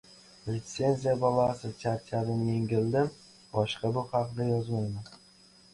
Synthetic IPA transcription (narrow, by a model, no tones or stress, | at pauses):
lʲɪt̪se̞nzijabɒlˠasɪt̪ʲaɾt̪ʲʰaɾɪnje̞ŋɡʲɪld̪ɪm | bɒʃqɑbʊhɑqd̪ajɒzmajman